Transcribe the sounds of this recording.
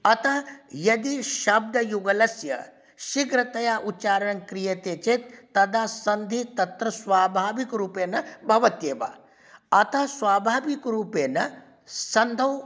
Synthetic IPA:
ɐt̪ʰɐjɐd̪iʃɐb̚d̪ʱɐjuɡɐlɐsjɐ̰ | ʃiɡɾɐt̪ɐjaːʔut͡ʃaːɾɐɳɐŋkɾijɐt̪eːt͡ʃet̪ːɐd̪aːsɐnd̪ʱit̪ɐt̪ɾɐsʋaːbʱaːʋikɾuːpeːnɐbʱɐʋɐt̪jeːʋa̰ː | ɐt̪ʰɐsʋaːbʱaːʋikɾuːpeːnɐ | sɐnd̪ʱɐw

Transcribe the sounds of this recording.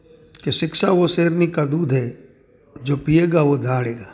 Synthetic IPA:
keʃɪkʃaʋoseːɾnikad̪uːd̪ʱɦɛ | d͡ʒoːpieːɡaʋod̪ʱaːɽeːɡaː

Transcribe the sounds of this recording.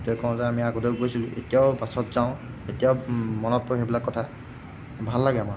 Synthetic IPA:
tɔjkɔ̃zɛamiaɡodeɡojsilʊ̃ʔḛtijaʊbasɔtzaʊ̃etijaʊmɔnɔt̚pʊxebilakːɔtʰa | bʱalːaɡɛama

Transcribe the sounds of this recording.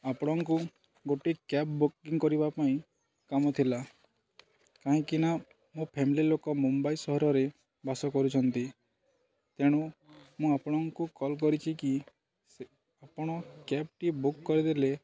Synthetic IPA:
apɔɽ̃ɔŋku | ɡoʈekapbukiŋkɔɾibapaĩ | kamɔt̪ʰila | kaɦĩkina | mũpʰemililokɔmumbaisɔɦɔɾɔɾe | basɔkɔɾut͡ʃʰɔnt̪i | t̪eɽ̃umũapɔɽ̃ɔŋkukɔlk̬ɔɾit͡ʃʰiki | se | apɔɽ̃ɔkep̚ʈibukːɔɾid̪ele

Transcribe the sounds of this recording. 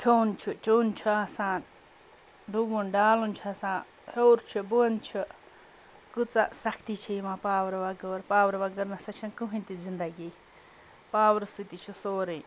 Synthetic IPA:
kʲʰoːnt͡ʃʰut͡ʃoːnt͡ʃʰuaːsaːn | ɖubunɖaːlunt͡ʃʰuasãːn | hoːɾt͡ʃʰubuɐnt͡ʃʰu | kut͡sa̰ʔsɐkʰt̪it͡ʃʰijmãpaːwɾʋɐɡoɾpaːwɾʋɐɡəɾnɐsɐt͡ʃʰɐnkuɦĩnt̪izind̪ɐɡi | paːwɾsut̪it͡ʃʰusoːɾi

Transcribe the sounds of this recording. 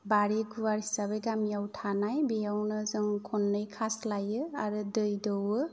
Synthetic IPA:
baɾiɡuwaɾisaβejɡamijawtʰanajbejawnɯzɯŋkʰɔnːɯjkʰaslajɯaɾɯdɯjdɯwɯ

